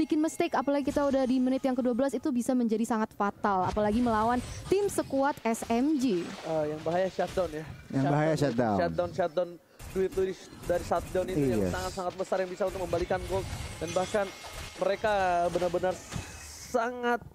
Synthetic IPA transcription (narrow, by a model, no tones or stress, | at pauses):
bikɪnməst̪ɛkapalaɡikit̪audahdimənɪt̪jaŋkəduabəlasit̪ubisaməɲd͡ʒadisaŋat̪fat̪alapalaɡiməlawant̪ɪmsəkuat̪ɛsɛmd͡ʒiəjaŋbaɦajaʃat̪̚dawnjajaŋbaɦajjaʃadaat̪̚daʊnʃat̪̚dan | duɪt̪̚ludi | daɾisat̪̚dawnitija̰saŋat̪saŋat̪̚bəsarjaŋbisaunt̪ʊk̚məmbalikanɡolt̪̚danbaahsanməɾekabənarbənar | saŋat̪̚